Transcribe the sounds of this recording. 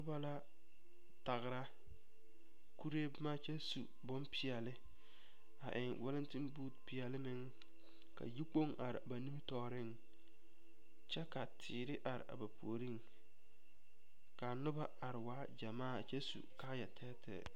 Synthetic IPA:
nʊ˦ba˦la˦ | ta˨ɣɪ˨ɾa˦ | ku˦ɾe˦bma˦t͡ʃɛ˦sṵ˨ | bɔ˦mpʰɪ˦ɛ˨lɪ˦ | a̰˨ʔɪ˨ŋwɛ˦lɪ˦ntɪ˦mbuː˦tpi˨jɛ˨lɪ˦mɪ˦ŋ | ka̰˨ji˦k͡po˦ŋʔa˨ɾɪ̰˨ba˨ni˦m˦tɔː˨ɾɪ˦˨ŋ | t͡ʃɛ˦ka˨tʰɪː˨ɾɪ˦ʔa˨ɾɪ̰˨ʔa̰˨ba˨po̰˨o˨ɾi˦˨ŋ | ka˨nʊ˦ba˦a˨ɾɪ˨waː˦d͡ʒa˨maː˦˨t͡ʃɛ˦sṵ˨ka˦jɛ˨tʰɛ˦tʰɛ̰ː˨

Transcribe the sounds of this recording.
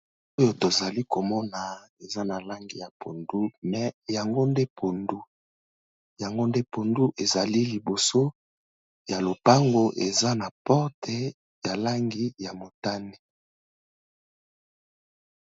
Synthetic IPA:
o˦jo˨to˨za˨li˦ko˨mɔ˦na˨e˨za˦na˨la˦ŋɡi˨ja˨pʰo˨ndu˦mɛ˨ja˨ŋɡo˦nde˦pʰo˨ndu˦ | ja˨ŋɡo˦nde˦po˨ndu˦ʔe˨za˨li˦li˨bo˨so˦ | ja˨lo˨pa˦ŋɡo˦ʔe˨za˦na˨pɔ˦ʁtɛ˨ | ja˨la˦ŋɡi˨ja˨mo˨ta˦ni˦

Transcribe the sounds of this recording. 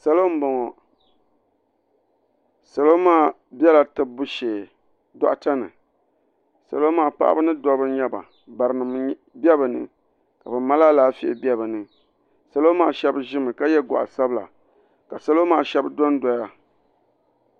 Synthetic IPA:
sa˦lo˦m̩˦bɔ˨ŋɔ˨ | sa˨lo˦maː˦˨ | bɛ˦la˨tɨ˦bʊ˦ʃeː˨ | da̰˨ʔta˦nɨ̰˨ | sa̰˨lo˦maː˨pa̰˦ʔa̰˦bɨ˦nɨ˦dɔ˦bɨ˦ɲɛ˦ba̰˨ | ba˨ɾɨ˨nɨ˨m˨˦bɛ˦bɨ˨nɨ̰˨ | ka˨bɛ˨ma˦laː˦laː˦fi˦˨ʔɪ˨bɛ˦bɨ˨nɨ˨ | sa˨lo˦maː˨ʃɛ˦bɨ˦ʒɪ˦mɨ˨ka˦jɛ˦ɡa̰˨ʔa̰˨sa˦bɨ˦la̰˨ | ka˨sa˨lo˦maː˨ʃɛ˦bɨ˦dɔ˦n˦dɔ˨ja˦

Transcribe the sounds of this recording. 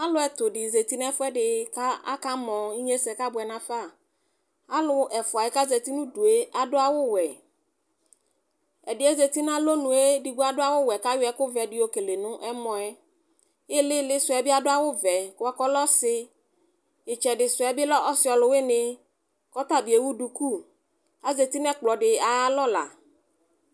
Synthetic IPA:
a˦lʊ˦ɛ˨tʊ˨ɖɪ˨ze˨t̪i˦n˦ɛ˦fʊ˦ɛ˦ɖɪ˨ka˦a̰˦ka˦mɔ̃˨i˦ɲe˦sɛ˨ka˦bʊ˨ɛ˨nã˦fa˦˨ | a˦lʊ˦ɛ˨fʊ˨a˨jɪ˦ka˦ze˨t̪i˦nʊ̃˦du˨e˦a˨dʊ˦a˦wʊ˦wɛ˨ | ɛ˨dɪ˨˦e˦ze˨t̪i˦n˦ã˦lo˦nʊ̃˨e˦di˨ɡu˦a˦dʊ˦a˦wʊ˦wɛ˨ka˦jʊ˦ɛ˦kʊ˦vɛ˨dɪ˨o˨ke˨le˨nʊ̃˦ʔɛ˦mɔ̃˨ɛ˦ | ɪ˦lɪ˦lɪ˦sʊ˨ɛ˨bɪ˦a˨ɖʊ˦a˦wʊ˦vɛ˨kʊ˨wa˨kɔ˦lɔ˦sɪ˦ | ɪ˨t͡ʃɛ˨ɖɪ˨sʊ˨ɛ˨bɪ˦lɔ˦ʔɔ˦sɪ˦ɔ˨lʊ˨˦wɪ˦nɪ̃˦ | kɔ˦t̪a˦bi˨e˨wu˦ɖu˨ku˦˨ | a˨˦ze˨t̪i˦nɛ̃˦k͡plɔ˨ɖɪ˨a˨ja˦lɔ˦la̰˨

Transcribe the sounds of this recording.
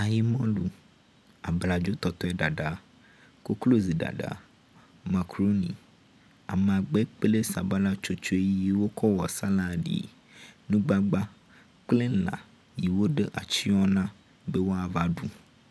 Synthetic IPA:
a˨ji˨mɔ̃˦lu˨ | a˨bla˨d͡ʒo˦t̪ɔ˨t̪ɔ˦ɛ˦ɖa˨ɖa˨ | ko˦klo˦zi˨ɖa̰˨ɖa̰˨ | ma˨kɾo˦nḭ˨ | a̰˨m˨a˨ɡ͡be˦k͡ple˦sa˨ba˦la˦t͡ʃo˦t͡ʃo˦e˦je˦wo˦kɔ˦wɔ˨sa˦la˨ɖḭ˨ | nũ˦ɡ͡ba˦ɡ͡ba˦ | k͡ple˦lã̰˨ | ji˨wo˦ɖe˦ʔa̰˨t͡ʃi˦ɔ˦nã˦ | be˦wo˦a˨va˦ɖu˨

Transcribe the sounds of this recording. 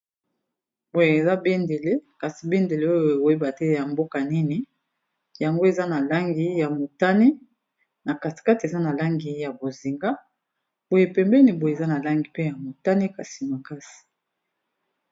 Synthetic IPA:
bo˨je˨za˦be˦nde˨le˦ka˨si˨be˦nde˨le˦o˦jo˨o˨je˦ba˨tɛ˦ja˨mbo˦ka˨ni˦ni˨ | ja˨ŋɡo˦e˨za˦na˨la˦ŋɡi˨ja˨mo˨ta˦ni˦ | na˨ka˨ti̥˨ka˦ti˨e˨za˦na˨la˦ŋɡi˨ja˨bo˨zi˨ŋɡa˦ | bo˨je˨pɛ˨mbɛ˦ni˨bo˨je˨za˦na˨la˦ŋɡi˨pe˦ja˨mo˨ta˦ni˦ka˨si˨ma˨ka˦si̥˨

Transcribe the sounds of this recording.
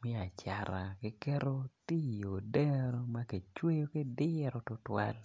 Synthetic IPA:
mɪ˦a˨t͡ʃa˨ɾa˨kɪ˦kɛ˦ɾo˦ti˦˨o˨dɛ˦ɾo˦ma˦ke˨t͡ʃwe˦jo˦ke˦dɪ˦ɾo˨tʊ˦twa̰˦l

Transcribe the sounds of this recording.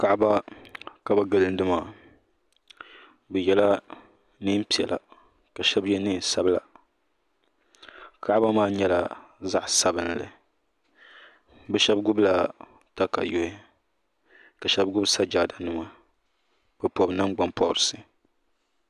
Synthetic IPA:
ka˦ʔba˦ka˨ba˨ɡɨ˨lɨ˦n˦dɨ˦ma˦˨ | bɛ˨jɛ˦la˦ | nɨ˦m˦pi˨ɛ̰˨lʔa̰˨ | ka˨ʃɛ˦bjɛ˦nɨ˦n˨sa˦bla˨ | ka˦ʔba˦maː˦ɲɛ˦la˨ | za˦ʔsa˦bɨ˨n˨lɨ̰˨ | bɛ˦ʃɛ˦b̚ɡʊ˦bla˨ | ta˦ka̰˨jo˦hɪ˦ | ka˨ʃɛ˦b̚ɡʊ˦bsa˦d͡ʒaː˨da˨nɨ˨ma˨ | pɨ˨pɔ˨bna˦mɡ͡ba˨mpɔ˦˨ʊ˨ɾɨ˨sɨ˨

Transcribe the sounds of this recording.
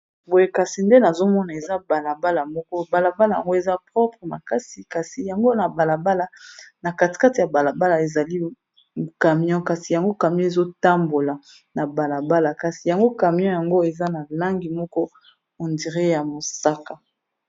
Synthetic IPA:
bo˨je˦ka˨si˨nde˦na˨zo˦mɔ˦na˨e˨za˦ba˨la˨ba˦la˨mɔ˦kɔ˦ba˨la˨ba˦la˨ja̰˨ŋɡo˦e˨za˦pʁɔ˦pχə˨ma˨ka˦si˨ka˨si˨ja˨ŋɡo˦na˨ba˨la˨ba˦la˨na˨ka˨ti̥˨ka˦ti˨ja˨ba˨la˨ba˦la˨e˨za˨li˦˨ | ka˨mi˦ɔ̃˦ka˨si˨ja˨ŋɡo˦ka˨mjɔ̃˦e˨zo˦ta˦mbo˨la˨ | na˨ba˨la˨ba˦la˨ka˨si˨ja˨ŋɡo˦ka˨mi˦ɔ̃˦ja˨ŋɡo˦e˨za˦na˨la˦ŋɡi˨mɔ˦kɔ˦ | o˨ndi˨ʁe˦ja˨mo˨sa˦ka˨

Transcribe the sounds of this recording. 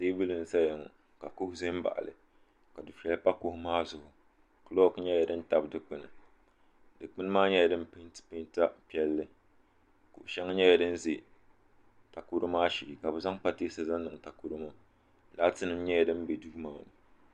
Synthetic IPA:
seː˦bɨ˦lɨ˨nɨ˨sa˦ja˨ŋ˨ | ka˨kʊ˦hʊ˦ze˦m̩˦ba̰˨ʔa̰˨lɨ̰˨ | ka˨du˨fɛ˦lpa˦kʊ˦hʊ˦maː˦zʊ˨hʊ˨ | ka˨˦lo˦kɨ˦ɲɛ˦ja˨dɨ˦n̩˦ta˨bdɨ˨k͡pɨ˨nɨ˨ | dɨ˨k͡pɨ˦n˦maː˦ɲɛ˦ja˨dɨ˦m˦pɨ˦ntpɨ˦n˦ta˦pi˦ɛ˦lːɨ˦ | kʊ̰˨ʔʃɛ˦ŋ˦ɲɛ˦ja˨dɨ˦n˦ze˨ | ta˨ku˦ɾɨ˦maː˦ʃi˨li˨ka˨bɨ˨za˦ŋpa˦teː˦sa˨za˦nːɨ˨ŋ˨ta˨ku˦ɾɨ˦ma˦ | laː˦tɨ˦nɨ˦m˦ɲɛ˦ja˨dɨ˦m˦be˨du˦maː˨nɨ˨

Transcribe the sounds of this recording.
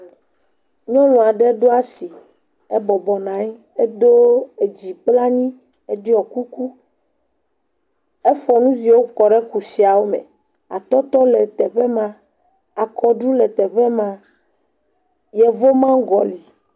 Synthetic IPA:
ɲɔ̃˦lɔ̃˨a˨ɖɛ˦ɖo˦a˦si˨ | e˦bɔ˨bɔ˨nã˨˦ | e˦d̪o˦e˨d͡ʑi˨k͡pla˦ɲĩ˦ | e˦ɖi˦ɔ˨ku˦ku˦ | e˦fɔ˨nũ˦zi˨wo˦kɔ˨ɖɛ˦ku˨si˨a˨wo˦mɛ̰̃˨ | a̰˨t̪ɔ˦t̪ɔ˦le˨t̪ɛ˨ɸe˦mã˦ | a˨kʰɔ˨ɖu˦lɛ˨t̪ɛ˨ɸɛ˦mã˨ | jɛ˨vo˦mã˦ɡɔ˨li˨

